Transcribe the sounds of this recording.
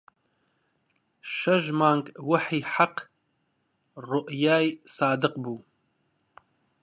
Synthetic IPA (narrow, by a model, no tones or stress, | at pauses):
ʃɐʒmaːŋɡwaħiːħaq | rʊʔjaːjsaːd̪ɨqbuː